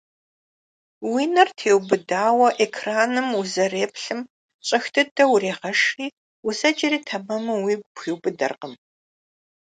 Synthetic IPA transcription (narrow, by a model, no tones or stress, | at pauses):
wiːnɐrtʰeːwbɨdaːwɐʔekʰraːnɨmuzɐreːpɬɨm | ɕʼɐxtʰɨdɐwreːʁɐʂiː | uzɐd͡ʒʼɪriːtʰɐmɐmɐwiːɡʷxiːwbɨdɐ̰rqəm